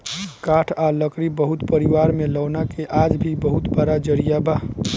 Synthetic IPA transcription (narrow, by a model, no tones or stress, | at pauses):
kaʈʰaləkɾibəɦut̪pəɾiwaɾmelɔːnakeʔad͡ʒbʱibəɦut̪bəɾad͡ʒəɾijaba